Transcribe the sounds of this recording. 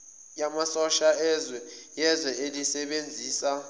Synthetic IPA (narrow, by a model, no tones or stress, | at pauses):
jamasɔʃaɛzwɛ | jɛzwɛelisɛɓend͡zʱiːsa